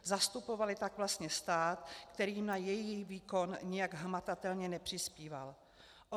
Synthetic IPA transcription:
zast̪upo̞valɪt̪aɡvlast̪ɲɛst̪aːt̪kt̪ɛɾiːmnajɛjixviːko̞nɲɪjaɡɦmat̪at̪ɛlɲɛnɛpr̝̥ɪspiːva̰l | ʔo

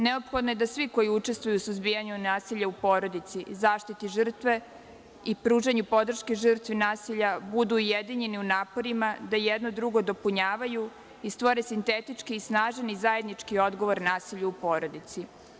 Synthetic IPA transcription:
neopxod̪nojed̪asʋiko̞jiut͡ʃe̞st̪ʋujusuzbijaɲunaːsiʎaupoːɾo̞d̪it̪sizaːʃt̪it̪iʐr̩t̪ʋe | ipɾuːʒeɲupo̞d̪r̩ʃkeʒ̩r̩t̪ʋinaːsiʎabud̪uːjed̪iɲeniunaːpo̞ɾimad̪ajed̪nod̪ɾuɡo̞d̪o̞puɲaːʋaju | ist̪ʋo̞ɾesint̪et̪it͡ʃkiːsnaːʒenizajed̪nit͡ʂkio̞d̪ɡo̞ʋo̞ɾnaːsiʎuupo̞ːɾo̞d̪it̪si

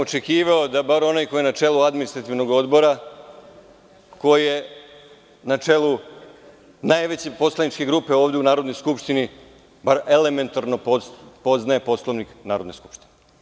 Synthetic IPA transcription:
ot͡ʃekiːʋaod̪abaɾo̞najko̞jenat͡ʃe̞luad̪minist̪ɾat̪iʋno̞ɡo̞d̪bo̞ɾa | ko̞jie | nat͡ʃe̞lˠu | najʋe̞t͡ɕe̞po̞slanit͡ʃke̞ɡɾuːpe̞oːʋd̪eunaːɾo̞d̪nojskupʃt̪ini | baɾe̞le̞me̞nt̪aɾnoppo̞znae̞po̞slˠoʋniknaːɾo̞d̪ne̞sku̥pʃt̪ine

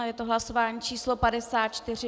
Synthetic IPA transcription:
jɛt̪oɦlaso̞vaːɲiːt͡ʃiːslo̞padɛsaːt̪̚t͡ʃt̪ɪr̝ɪ

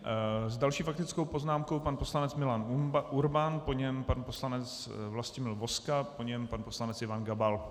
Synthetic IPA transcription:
zdalʃiːfakt̪ɪt͡sko̞wpoznaːmko̞wpanpo̞slanɛt͡smɪlanuɾbanpoɲɛmpanposlanɛt͡s | vlascɪmɪlvo̞skapoɲɛmpanpo̞slanɛt͡sɛvanɡabal

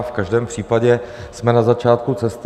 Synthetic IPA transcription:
fkaʒdɛːmpr̝̥iːpaɟɛsmɛnazat͡ʃaːt̪kut͡sɛst̪

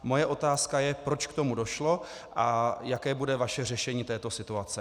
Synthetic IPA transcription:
mo̞jɛʔo̞t̪aːskajɛpɾot͡ʃkt̪o̞mudo̞ʃlo̞ | ʔajakɛːbudɛvaʃɛrɛʃɛɲiːt̪ɛːt̪o̞sɪt̪uat͡sɛ

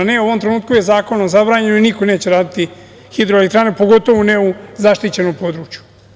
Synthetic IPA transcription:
neoʋo̞mt̪ɾe̞nuːt̪̚kuje̞zaːko̞nozabɾaːɲe̞noinikone̞ːt͡ɕeɾaːd̪it̪i | xid̪ɾoelekt̪ɾaːne̞po̞ɡot̪o̞ʋuneuzaʃt̪it͡ɕe̞no̞mpo̞d̪ɾuːt͡ɕju̥

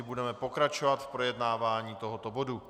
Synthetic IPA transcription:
ɪbudɛmɛpo̞kɾat͡ʃovat̪fpɾo̞jɛdnaːvaːɲiːt̪o̞ɦot̪obo̞du

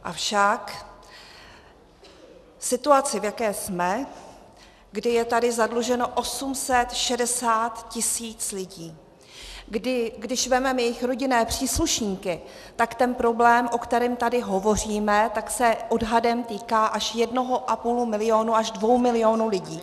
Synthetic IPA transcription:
ʔafʃak | sɪt̪uat͡sɪvjakɛːsmɛ | ɡdɪjɛt̪adɪzadluʒɛno̞ʔo̞sumsɛt̪ʃɛdɛsaːt̪cɪsiːt͡slɪɟiː | dɪɡdɪʃvɛmɛmjɛjɪxɾo̞ɟɪnɛːpr̝̥iːsluʃɲiːkɪ | t̪akt̪ɛnpɾo̞blɛːmʔo̞kt̪ɛɾɪːmt̪adɪɦo̞vo̞r̝iːmɛt̪aksɛʔo̞dɦadɛmt̪iːkaːʔaʃjɛdno̞ɦo̞ʔapuːlumɪlɪo̞nuaʒdvo̞wmɪlɪjo̞nulɪɟiː

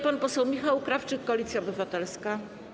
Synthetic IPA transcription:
panpɔsɛwmʲixawkɾaft͡ʂɘkːɔlʲit̪sʲjaɔbɘvat̪ɛlska

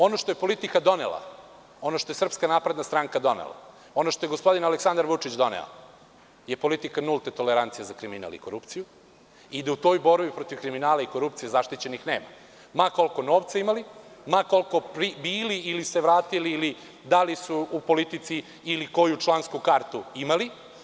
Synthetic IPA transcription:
o̞noʃt̪ojepo̞lit̪ikad̪o̞nḛla̰ | o̞noʃt̪oe̞sr̩pskanaːpɾed̪nast̪ɾaŋkad̪o̞nḛla̰ | o̞noʃt̪o̞jeɡospo̞d̪inaleksand̪aɾʋut͡ʂit͡ɕd̪o̞nḛo̰ | jepo̞lit̪ikanulˠt̪et̪o̞leɾant̪sijazakɾimina̰lˠḭko̞ɾupt̪siju | id̪aut̪o̞ːjbo̞ɾʋipɾot̪iʋkɾiminaːlaikoɾupt̪sijezaʃt̪it͡ɕenixneːma̰ | mako̞lko̞no̞ːʋt̪saimalimako̞lko̞pɾibiːliiliseʋɾaːt̪iliːli | d̪alisuupo̞lit̪it̪siː | liko̞jut͡ʃlˠanskukaɾt̪uimali

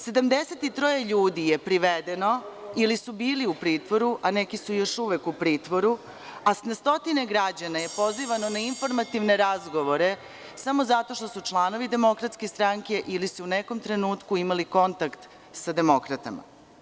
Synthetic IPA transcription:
se̞d̪amd̪e̞set̪it̪ɾo̞jeʎuːd̪ije̞pɾiʋed̪eno̞ilisubiːliupɾiːt̪ʋo̞ɾuʔane̞kisujo̞ʃuʋekupɾiːt̪ʋoɾu | asnast̪o̞t̪ineɡɾad͡ʑanaje̞po̞ziʋano̞nainfo̞ɾmat̪iʋne̞ɾazɡo̞ʋo̞ɾe̞ | samo̞zat̪o̞ʃt̪osut͡ʃlˠaːno̞ʋid̪e̞mo̞kɾat̪skest̪ɾaŋke̞ʔilisuune̞ko̞mt̪ɾe̞nuːt̪kuimaliko̞nt̪akt̪ | sad̪e̞mo̞kɾat̪ama̰

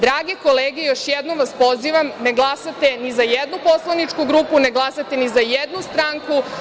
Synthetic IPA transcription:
d̪ɾaːɡekoleːɡejoʃjɛd̪nomʋaspo̞ziʋamneɡlˠasat̪enizajed̪nupo̞slˠanit͡ʂkuɡɾuːpuneɡlˠasat̪enizajed̪nust̪ɾaːŋku

